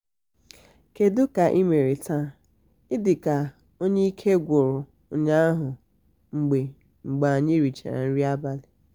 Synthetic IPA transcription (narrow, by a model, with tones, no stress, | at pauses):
ke˨dʊ˦ka˨ʔi˦me˨ɾe˨ta˦˨ | ɪ˦dɪ˨ka˨ | o˦ɲe˦i˦kʰe˦ɡʷo˨ɾʊ˨ | ɲa˦a˦ɦʊ˨ | ŋ͡m̩˨ɡ͡be˨ | ŋ͡m̩˨ɡ͡ba˨ɲe˦ɾi˨t͡ʃa̰˨ɾa̰˨n̩˦ɾi˦a˦ba˦lɪ˨